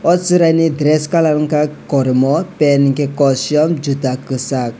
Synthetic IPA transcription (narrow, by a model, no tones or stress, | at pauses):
ɔsiɾanidɾɛskalaɾŋkakɔɾimɔpɛnŋkɛkɔsiɔmd͡ʒutakɨsak̚